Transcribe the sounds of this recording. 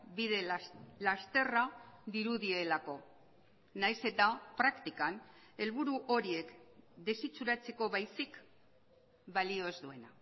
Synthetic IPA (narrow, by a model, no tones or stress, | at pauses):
biðe̞last̪e̞raðiɾuðie̞lako̞ | najse̞t̪apɾakt̪ikan | e̞lβuɾuʔo̞ɾie̞kd̪e̞sit͡suɾat͡se̞ko̞βajsik | balio̞ezd̪ue̞na